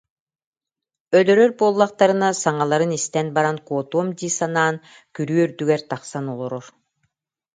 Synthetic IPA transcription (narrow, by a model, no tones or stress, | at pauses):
œlœɾœɾbuɔlˠːaqt̪aɾɯnasaŋalˠaɾɯnist̪ɛnbaɾankuːt̪uɔmd̪iːsanaːn | kyɾyːœɾd̪yɡɛɾt̪aqsanɔlˠɔɾɔɾ